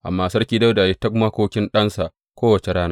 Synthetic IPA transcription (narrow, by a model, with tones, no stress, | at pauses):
ʔa̰˨mːaː˦sɐ˦rkʲiː˦da˦wdaː˨je˦tːa˦kʊ˦ma˦kʷoː˦kʲɪ˦nɗɐ˦nsa˨ʔ | kʷoː˦wɐ˨t͡ʃe˨ɽaː˦naː˦